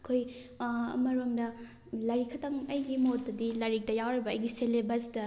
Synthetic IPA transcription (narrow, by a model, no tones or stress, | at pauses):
ɐkʰoj | ɐ̰mɐɾomdɐ | lɐɾikʰːɐtɐŋɐjɡimotdɐdilɐɾik̚tɐjawɾibɐɐjɡiselebɐsdɐ